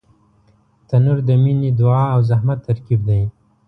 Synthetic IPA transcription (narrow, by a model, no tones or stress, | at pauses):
t̪anuɾd̪əminid̪ʊɑawzahmat̪ːaɾkib̚d̪aj